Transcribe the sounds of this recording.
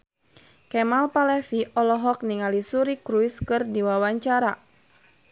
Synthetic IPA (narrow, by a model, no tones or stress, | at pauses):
kɛmalpalɛfiʔɔlɔɦɔk̚niŋalisuɾikɾuiskɨrdiwawaɲt͡ʃaɾa